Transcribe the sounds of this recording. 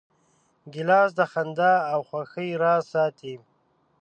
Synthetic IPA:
ɡɪlɑːs̬d̪əxand̪aːwxwaxəjɾɑːsɑːt̪i

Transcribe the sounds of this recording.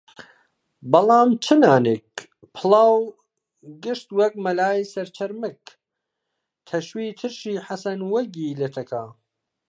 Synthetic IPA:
bɐlˠɑːmt͡ʃʰɨnaːneːk̚ | pʰɨlˠɑːw | ɡɨʃt̪wɐk̚mɐlaːjsɐɾt͡ʃʰɐɾmɨk | t̪ʰɐʃwiːt̪ʰɨɾʃiːħasɐnwɐɡiːlɐt̪ʰɐkʰaː

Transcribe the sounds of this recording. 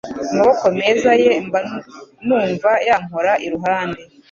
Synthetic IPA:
amaβoko̞me̞ːzaje̞ɱanuːɱvajaŋɦoɾaʔiɾuɦaːnde

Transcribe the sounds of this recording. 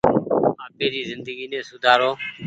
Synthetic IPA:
aːpeːɾiːzɪnd̪əɡiːnẽːsʊd̪ʱaːɾoː

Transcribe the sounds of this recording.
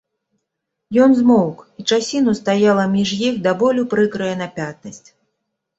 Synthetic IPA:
jɔnzmɔwkit͡ʂasʲinust̪ajalˠɐmʲiʐjixd̪abɔlʲupɾɨkɾɨjɐnapʲat̪̚nɐsʲt͡sʲ

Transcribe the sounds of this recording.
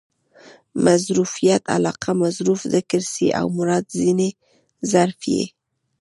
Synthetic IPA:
mazɾufijat̪a̰lɑqʰamazɾufd̪əkɪɾsḭʔa̰wmʊɾɑd̪zine | zaɾfjḛ

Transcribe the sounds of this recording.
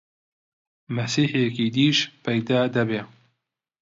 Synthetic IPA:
mɐsiːħjekiːd̪iːʃpɛjd̪aːd̪ɐbeː

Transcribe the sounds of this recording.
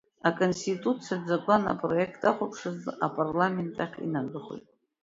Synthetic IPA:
akʼonstitʼut͡sʰijad͡zaɡʷana̰pʼro̞e̞kʰtʰʼaχʷapʰʂɨzapʼarlame̞ntʼaχʲḭnadɨχo̰jtʼ

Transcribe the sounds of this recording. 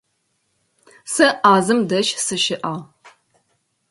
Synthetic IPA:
sɐʔaːzɨmdɐʃsɨʃɪʔaːʁ

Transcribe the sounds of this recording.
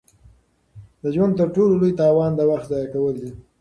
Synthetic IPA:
d̪əʒwant̪əɾʈololojt̪ɑwɑnd̪əwaxt̪zɑjakawəld̪i

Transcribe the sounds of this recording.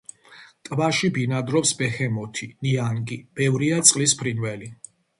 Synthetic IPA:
t̪ʼvaʃibinad̪ɾɔpsbɛhɛmɔt̪ʰiniaŋɡib̥ɛvɾiat̪sʼqʼlispʰɾinvɛli

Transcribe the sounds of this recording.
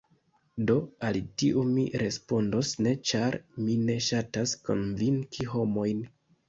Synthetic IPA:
do̞alitiʔumiɾe̞spo̞ndo̞sne̞t͡ʃaɾmine̞ʃatasko̞̰nviŋkʰiɦo̞mo̞jn

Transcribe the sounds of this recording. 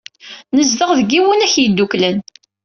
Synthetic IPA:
nəzðəʁðəɡiwənæçjid̪ːuklən

